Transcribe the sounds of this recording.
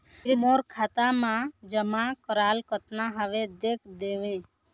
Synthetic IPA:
ɾimoːɾkʰaːt̪amãd͡ʒəmãkəɾaːlkət̪naɦəʋed̪eːkʰd̪eːʋẽː

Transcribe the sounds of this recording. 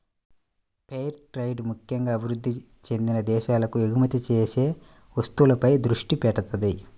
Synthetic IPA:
pejɾʈɾɐjɖmukʰjɐŋɡaːɐbʱiɾud̪ʱːi | t͡ʃe̞nd̪inɐd̪ɛːʃaːlɐkueɡumɐt̪it͡ʃeːse̞ː | ʋɐst̪uwulɐpɐjd̪ɾuʂʈipɛʈːɐt̪ɐd̪i

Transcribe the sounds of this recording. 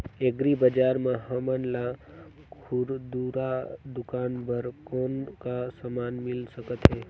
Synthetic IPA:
eɡɾibəd͡ʒaːɾmẽɦəmənla | kʰʊɾd̪uɾad̪ʊkaːnbəɾkɔːnkasamaːnmɪlsəkət̪ɦɛː

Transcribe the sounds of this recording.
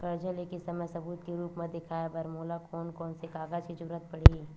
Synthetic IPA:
kɐɾd͡ʒəlekisɐməjsɐbuːt̪keɾuːpmẽd̪ɪkʰaːjabɐɾmoːlakʰoːnkɔːnsekaːɡaːd͡ʒkid͡ʒɐɾuːət̪̚pɐɽei

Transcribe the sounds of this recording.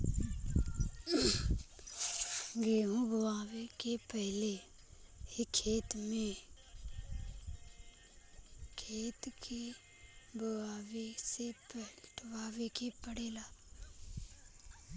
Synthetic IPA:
ɡeːɦũbəwaːʋekepɛɦle | ekʰːeːt̪mẽ | kʰeːt̪kʰe | bəwaːwesepʈʰwaːwekepəɽeːlaː

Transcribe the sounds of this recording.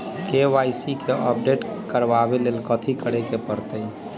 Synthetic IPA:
keʋajsikʰeʔəp̚ɖeʈkəɾbabelelkət̪ʰikəɽekepəɾt̪əj

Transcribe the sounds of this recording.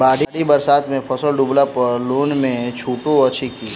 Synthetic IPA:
baːɽ̤ʱiɽibɐɾsaːt̪mẽpʰɐsəlɖuːblaploːnmẽt͡ʃʰuːʈõɐtːt͡ʃʰikʰiː

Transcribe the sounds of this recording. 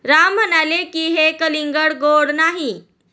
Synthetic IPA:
ɾamːənalekiːɦekəliŋɡəɽɡoɽnaɦi

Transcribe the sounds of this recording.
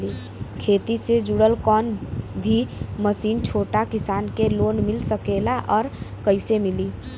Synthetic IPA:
li | kʰeːt̪ised͡ʒuɽəlkɔːnbʱiməsiːnt͡ʃʰoːʈakɪsaːnkeloːnmɪlsəkelaʔɔːɾkəɪsemɪliː

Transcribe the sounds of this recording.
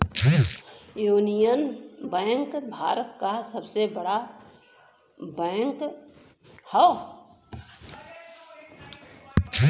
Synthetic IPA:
juːnijənbɛ̃ːŋkbʱa̰ːɾət̪̚kasəbsebəɽa | bɛ̃ːŋk | hɔ

